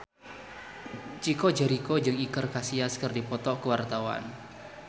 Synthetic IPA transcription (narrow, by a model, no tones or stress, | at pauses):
t͡ʃikod͡ʒɛɾikod͡ʒɨŋikərkasiaskɨrdipɔt̪ɔkəwart̪awa̰n